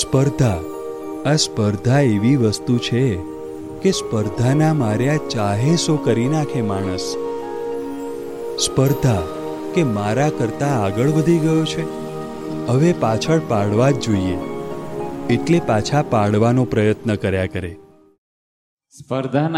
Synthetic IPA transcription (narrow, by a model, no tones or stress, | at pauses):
spəɾd̪ʱa | aspəɾd̪ʱaeʋiʋəst̪ut͡ʃʰe | kespəɾd̪ʱanamaɾjat͡ʃaɦesokəɾinakʰemaɽ̃əs | spəɾd̪ʱa | kemaɾakəɾt̪aːɡəɭʋəd̪ʱiɡəjot͡ʃʰe | ɦəʋepat͡ʃʰəɭpaɽʋad͡ʒd͡ʒoiḛ | eʈlepat͡ʃʰapaɽʋanopɾəjət̪nəkəɾjakəɾe | spəɾd̪ʱa